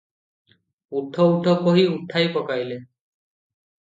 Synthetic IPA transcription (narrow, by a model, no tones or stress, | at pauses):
ut̪ʰːɔutʰɔpoɦiut̪ʰːajpɔkajle